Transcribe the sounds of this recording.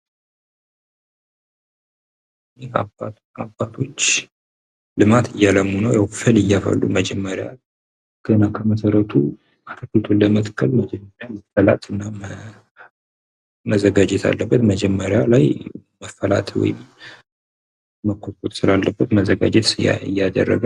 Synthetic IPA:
jea̰ba | abat̪ʰo̞t͡ʃː | lɨmat̪ʰɨjːaləmːunəwjawfɨlɨjːafə̰lːṵməd͡ʒɛmːəɾja̰ | ɡ̥ənakʰəməsəɾət̪ʰṵ | ak̪ʰəkəlt̪ʰolːəmət̪kʰːəlməd͡ʒɛmːəɾjaməfəla̰t̪ʼɨnːa | məzəɡad͡ʒɛt̪ʰa̰lːəbːət̪məd͡ʒɛmːəɾjalajməfəla̰t̪ʰwɔ̰jɪm | məkʰːotot̪sɨlalːəbːət̪məzəɡa̰d͡ʒɛt̪sɨa̰jːad̪ə̰rːə̰ɡə

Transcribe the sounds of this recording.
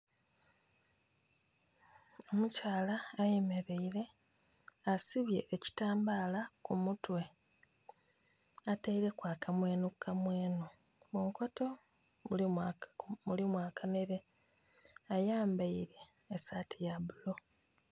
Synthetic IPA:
o̞mucaːlaːjeme̞ɾe̞iɾe̞ | asiβje̞ʔːci̥taːmbalakumutwe̞ | ateiɾe̞kwaːkamwe̞ːnukʰːamwe̞ːno | muːŋko̞to̞ | ul | mulimwaːkʰane̞βe̞ | ajaːmbaiɾe̞ː | satʰijaβulo̞

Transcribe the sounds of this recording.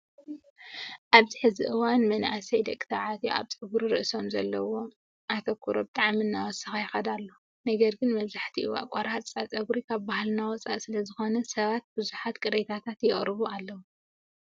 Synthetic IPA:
ʔaβzɨħɨziʔɨwanmɐnʔasɐjd̪ɐkʼɨt̪ʰaʕat̪ʰjuʔa̰βt͡sʼɨɡuɾiɾɨʔso̞mzɐlːɐ̰wo̞ | ʔat̪ʰokʰuɾobɨt̪ʼaʕmiɨnːawɔsɨxajɛxɐd̪alːo | nɐɡɐɾɡɨnmɐβzaħt̪ʰiʔuwa̰kʷʼɐɾat͡sʼat͡sʼɐɡuɾikʰaβbahlnawɔt͡sʼa̰ʔsɨlɐzɨxo̞nɐsɐβat̪̚bɨzuħat̪kʼɨɾet̪ʰat̪ʰat̪jɛχʼɾɨβualːɐwu

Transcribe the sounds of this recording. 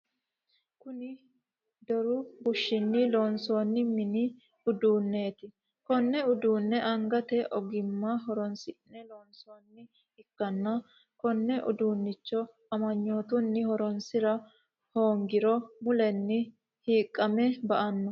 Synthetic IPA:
kʊnɪ | d̪ɔɾʊbʊʃːɪnːɪloːnso̞ːnːɪmɪnɪ | ʊd̪uːnːe̞ːt̪ɪ | kɔnːɛʊd̪uːnːɛʔɐŋɡɐt̪ɛʔɔɡɪmːɐɦɔɾɔnsɪnːɛloːnsoːnːɪ | ɪkːɐnːɐ | kɔnːɛʔʊ̰d̪uːnːɪt͡ʃːɔ | ɐmɐɲːo̞ːt̪ʊnːɪhɔɾɔnsɪɾɐ | ho̞ːŋɡɪɾɔmʊlɛnːɪ | hiːkʼːɐmɛbɐʔɐnːɔ

